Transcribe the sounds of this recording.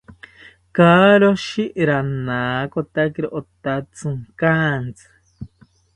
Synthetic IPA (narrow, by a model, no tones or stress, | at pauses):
kaːɾoʃiɾanaːkot̪akiɾoʔot̪at͡sɨŋkaːnt͡sɨ̥